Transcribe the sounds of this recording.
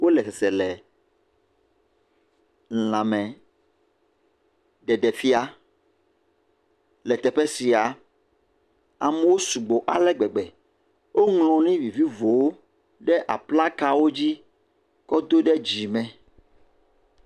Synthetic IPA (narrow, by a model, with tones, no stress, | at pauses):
wo˦lɛ˨sɛ˨sɛ˨lɛ˨ | n̩˨lã˨mɛ̃˨ | ɖɛ˨ɖɛ˨fi˦a˨ | lɛ˨t̪ɛ˨ɸɛ˦si˨a˨ | a˨mɛ˦wo˦su˨ɡ͡bo˨ʔa˨lɛ˦ɡ͡bɛ˨ɡ͡bɛ˨ | wo˦ŋlɔ̃˨nĩ˦vi˨vi˦vo˨wo˦ | ɖɛ˦ʔa˨pla˦ka˦wo˦d͡ʑi˦ | kɔ˦d̪o˦ɖɛ˦d͡ʑi˨mɛ̃˨